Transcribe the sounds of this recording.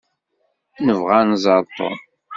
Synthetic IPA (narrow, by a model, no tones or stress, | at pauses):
nəvʁænzˤɑɾˤt̪ˤo̰